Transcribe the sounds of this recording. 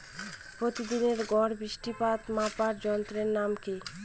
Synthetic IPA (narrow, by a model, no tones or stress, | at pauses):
pɾot̪id̪ineɾɡɔɽbɾiʃʈipat̪mapaɾd͡ʑɔnt̪ɾeɾnamki